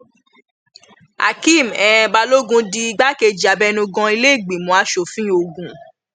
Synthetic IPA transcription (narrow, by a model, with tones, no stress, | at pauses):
a̰˨ki˦˨mɛ̃˨ɛ̃˧ba˧lo˦ɡũ˦di˧i˧ɡ͡ba˦ke˧d͡ʒa˨bɛ˦nũ˧ɡɔ̃˧˦i˧le˦i˦˨ɡ͡bĩ˨mɔ̃˨˦a˧ʃo˨fĩ˦o˧ɡũ˨